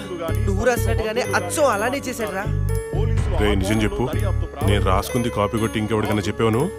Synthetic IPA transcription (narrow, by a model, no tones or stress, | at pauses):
nuʋuɾaːsinɐʈːuɡaːneːʔɐtːsɐmɐlaːneːt͡ʃeːsaːɽɾaː | ɾeːnid͡ʒɐmt͡ʃe̞pːuneːnuɾaːskund̪ikaːpiːkoʈːiŋkɛʋɐɽikɐniːt͡ʃɛpːɛːʋɐnu